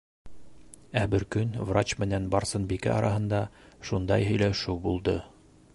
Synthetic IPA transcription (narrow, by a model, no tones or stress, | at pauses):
æbɘɾkɵnvrat͡ɕmɘ̆nænbɑɾsɤnbikæ̰ʔɑ̰ɾʔɑɦɤ̆nd̪ɑ | ʃund̪ɑ̰jɦɵ̆jlæʃɘwbulˠd̪ɤ